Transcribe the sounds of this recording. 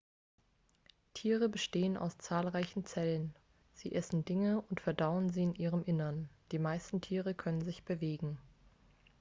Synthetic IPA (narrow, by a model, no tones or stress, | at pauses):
tʰiːʁəbəʃteːəna̰ʊst͡saːlʁaɪçn̩t͡sɛlən | z̥iːʔɛsn̩dɪŋəʊntfɛɐdaʊənziːɪnʔiːʁəmʔɪnɐnd̥iːmaɪstn̩tʰiːʁəkʰœnənzɪçb̥əveːɡŋ̩